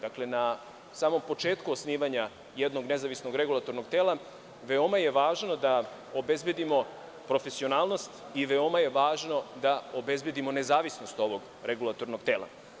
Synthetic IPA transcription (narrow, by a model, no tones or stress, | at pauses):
d̪akle̞na | saːmo̞mpo̞t͡ʂeːt̪kuosniːʋaɲa | jed̪no̞ɡne̞zaʋisno̞ɡɾeɡulˠat̪o̞ɾnoɡ̚t̪eːlˠa | ʋeo̞maje̞ʋaːʒno̞d̪a | obe̞zbe̞d̪imo̞ | pɾo̞fe̞sio̞naːlˠno̞st̪ | iʋeo̞maje̞ʋaːʒno̞d̪aobe̞zbje̞d̪imo̞ne̞zaːʋisno̞st̪o̞ʋoɡ | ɾeɡulˠat̪oɾno̞ɡ̥t̪eːlˠa̰